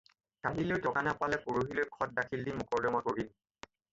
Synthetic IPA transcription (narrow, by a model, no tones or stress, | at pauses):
kaɦileʊtɔkanapalɛpoɹoɦilojkʰɔt̚dakʰildimʊkɔɹdɔmakoɹin